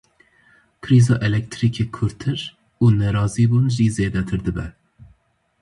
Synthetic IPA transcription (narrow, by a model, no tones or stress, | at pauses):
kʰɨɾiːzɑːʔɛlɛk̚t̪ʰɾiːkʰeːkʰʊɾt̪ʰɨɾ | uːnɛɾɑːziːbuːnʒizeːd̪ɛt̪ʰɨɾd̪ɨbɛ̰